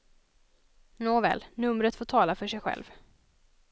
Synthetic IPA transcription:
noːvɛ̰ːlnɵmɾət̪foːʈʰɑːlafœʂɛjɧɛ̰lv

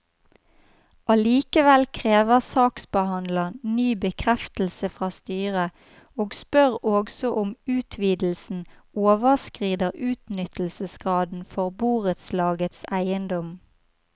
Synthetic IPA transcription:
ɑliːkəʋɛlkʰʁeːʋəʁsɑːksbəhɑnd̪ləʁnyːbəkʰʁɛft̪l̩səfʁɑːst̪yːʁə | oːɡspœʁoːɡsɔʔʊmʉːt̪ʰʋiːd̪l̩sn̩oːʋəʁskʁiːd̪əʁʉːt̪nʏt̪l̩səsɡ̥ʁɑːd̪n̩fɔʁbuːʁət̪slɑːɡət̪sæɪənd̪ɔm

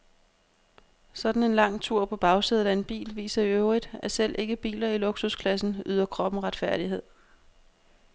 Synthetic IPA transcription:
sɒ̽d̥n̩e̝nlɑ̈ŋ̰t͡sʰuɐ̰pʰɒ̽b̥ɑ̈ʊsið̞ˠæe̝nb̥ḭːlʋḭːsɐiøʊʁid̥æsel̰ʔe̝ɡ̥əb̥ḭːlɐilo̝ɡ̥suskʰlæsn̩yðˠɐkʰʁɒ̽b̥m̩ʁɑ̈d̥fæɐ̰d̥iɦe̝ð̞̰ˠ

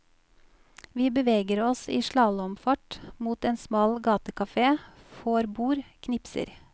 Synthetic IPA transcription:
ʋiːbəʋeːɡəɾɔsiːʃɭɑːləɔmfɑʈmuːt̪eːnsmɑːlɡɑːt̪əkɑfeː | foːɾbuːɾkʰnɪpsə̰ɾ

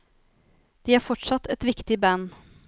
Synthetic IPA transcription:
d̪̥iæːɾfɔʈʂɑt̪ːɛt̪ʋɪkt̪ɪbæn

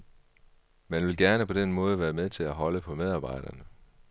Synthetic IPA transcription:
mænʋe̝lɡ̥æɐnəpʰɒ̽d̥enmɔ̽ːð̞ˠəʋæːɐmeðˠt͡sʰe̝læɦɒ̽ləpʰɒ̽með̞ˠɑ̈ːb̥ɑ̈ɪ̰d̥ɐnə

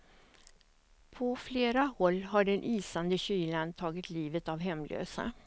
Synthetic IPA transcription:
pʰɔfleːɾahɔlːɦaɖɛnʔiːsand̪əɕyːlant̪ʰɑːɡɪt̪liːvət̪avɦɛmlø̰ːsa̰

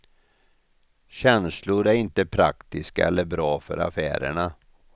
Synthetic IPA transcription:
ɕɛnslʊɾæɾɪnt̪əpʰɾa̰kt̪ɪskaɛlːəɾbɾɑːfœ̰ɾa̰fæ̰ːɾə̰ɳa

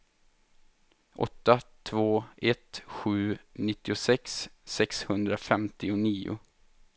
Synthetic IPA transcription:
ʔɔ̰t̪ːat̪ʰvoːʔɛt̪ɧʉ̟ːnɪt̪ːɪʊsɛksːɛkshɵnd̪ɾafɛmt̪ɪʊniːʊ̰

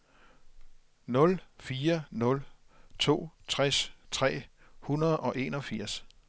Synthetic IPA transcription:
nɔ̽lfiːɐnɔ̽lt͡sʰo̝̰ːt͡sʰʁɛst͡sʰʁɛ̰ː | hunɐð̞̩ˠɒ̽ʔe̝̰ːnɒ̽fiɐ̰s

